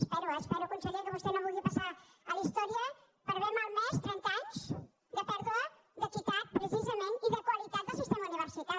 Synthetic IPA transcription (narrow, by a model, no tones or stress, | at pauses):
spɛɾoɛspɛɾokunsəliəkəβust̪enõpuliəpasaəlist̪ɔɾiə | pəɾβemaɾmest̪ɾɛnt̪aɲz | d̪əpɛɾðuə | ðəkit̪at̪̚pɾəsizəmẽnt̪iðəkwalit̪at̪̚d̪əsust̪ɛmuniβəɾsit̪a